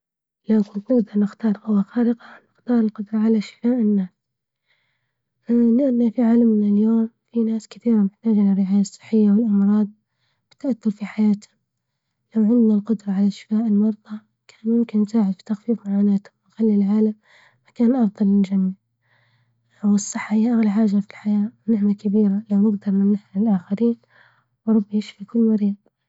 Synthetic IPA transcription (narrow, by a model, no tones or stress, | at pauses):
lakʊnt̪nɪɡd̪ɑɾˤnɪxt̪ɑːɾˤʔʊwaxaːɾɪqanɪxt̪ɑːɾˤɪlqʊd̪ɾˤɑʕalaʃɪ̥faːʔɪnːaːs | lɪʔanːafiʕaːlamnɪljoːmfinaːskɪθiːɾamɪħt̪aːd͡ʒʔɪlarːɪʕaːjasˤːɨ̥ħːɪjːawɪlʔɑmɾˤɑːd̪̚ˤ | b̥ɪt̪ːaʔaθːʊɾfiħajaːt̪hʊ | lawʕɪnd̪nalqʊd̪ɾˤɑʕalaʃɪ̥faːʔɪlmɑɾˤd̪ˤɑ | kʰaːnjɪmkɪnmsaːʕɪd̪fi̥t̪axfiːfmaʕaːnaːt̪hʊmnxalːilʕaːlamː | akaːnʔɑfd̪ˤɑlɪnd͡ʒamːɪʕ | wɨsˤːɨħːahɪjːaʔaɣlaħaːʒafilħajaːwnɪħnakabiːɾalawnɪɡd̪ɑɾˤnanɪħaɪlʔaːxaɾiːn | wɾˤɑbːjɪʃfikʊlːmaɾiːd̪̚ˤ